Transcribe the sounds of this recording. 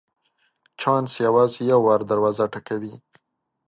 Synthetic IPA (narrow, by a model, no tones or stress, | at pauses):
t͡ʃɑnsjawɑzjawːɑɾd̪aɾwɑzaʈakawi